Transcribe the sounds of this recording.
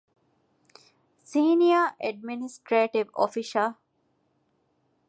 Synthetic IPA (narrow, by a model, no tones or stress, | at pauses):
siːnijaʔeɖ̚minisʈɾeːʈiʋo̰fiʃɐl